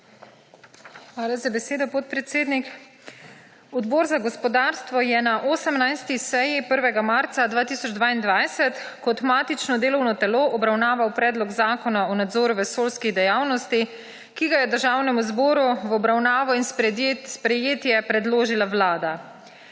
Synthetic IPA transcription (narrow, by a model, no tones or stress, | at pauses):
xʋaːlazabɛseːd̪ɔpɔt̪̚pɾɛt̪seːd̪nik | ɔd̪boːɾzaɡɔspɔd̪aːɾst̪ʋɔjɛnaʔoːsəmnajst̪isɛjipəɾʋɛɡamaɾt̪sad̪ʋaːt̪iːsɔd͡ʒd̪ʋaːind̪ʋajsɛt̪ | kɔt̪maːt̪it͡ʃnɔd̪eːlɔwnɔt̪ɛloːʔɔbɾawnaːʋawpɾɛːd̪lɔɡzaːkɔnaɔnad̪zoːɾuʋɛsoːlskid̪ɛjaːwnɔst̪i | kiɡajɛd̪əɾʒaːwnɛmuzbɔːɾuwɔbɾawnaːʋɔinsspɾɛjeːt̪jɛpɾɛd̪loːʒilawlaːd̪a